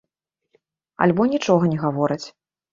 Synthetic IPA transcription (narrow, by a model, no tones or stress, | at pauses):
a̰lʲbɔnʲit͡ʂɔɣɐnʲɛɣavɔɾɨt͡sʲ